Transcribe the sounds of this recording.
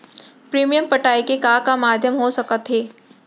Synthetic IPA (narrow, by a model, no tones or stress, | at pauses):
pɾiːmijəmpɐʈaːikekaːkamaːd̪ʱjəmɦosɐkət̪ɦeː